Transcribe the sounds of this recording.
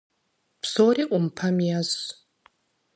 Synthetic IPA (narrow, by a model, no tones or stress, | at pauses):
pʰsoːriʔʷʼʊmpʰɐmjaz